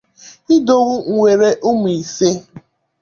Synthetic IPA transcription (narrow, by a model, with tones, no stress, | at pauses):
i˦do˦ɣʷu˦ŋ̩˨ŋʷe˨ɾe˦ʔʊ˦m˨i˨se˦